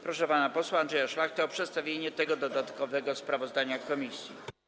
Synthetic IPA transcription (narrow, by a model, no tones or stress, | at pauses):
pɾɔʂɛpanapɔswaːnd̪ʐɛjaʂlaxt̪ɛːpʂɛt̪st̪avʲjeɲɛt̪ɛɡɔd̪ɔd̪at̪kɔvɛɡɔspɾavɔzd̪aɲakɔmʲisʲjḭ